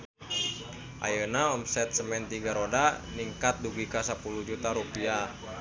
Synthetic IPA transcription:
ʔa̰jənaɔmsɛt̪̚səmɛnt̪iɡaɾodaniŋkat̪̚duɡikasapulud͡ʒut̪aɾupia

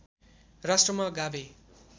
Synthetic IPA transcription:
rasʈrʌmʌɡabe

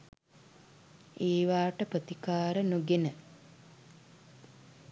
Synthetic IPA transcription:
eːʋaːʈəprət̪ikaːɾənuɡenə

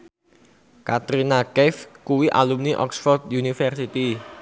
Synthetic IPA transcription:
kat̪ɾinakɛfkuwiʔa̰lumniʔɔ̰ksfɔrd̪junifərsit̪i

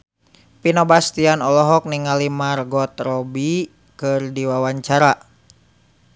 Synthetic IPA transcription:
pinɔbast̪ianɔlɔɦɔk̚niŋalimarɡɔt̪rɔbi | kɨrdiwawaɲt͡ʃaɾa

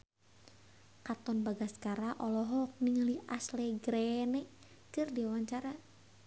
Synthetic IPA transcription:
kat̪ɔnbaɡaskaɾaʔɔlɔɦɔk̚niŋaliʔaslɛɡɾɛnɛ | kɨrdiwawaɲt͡ʃaɾa

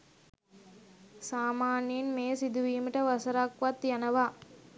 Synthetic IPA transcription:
saːmaːniinmeːsid̪uʋiːmiʈɐʋɐsɐɾaːkʋɐt̪ːjɐnɐʋaː

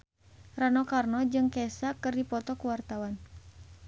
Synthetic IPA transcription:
ranɔkarnɔd͡ʒɨŋkɛsakɨrdipɔt̪ɔkuwart̪awan

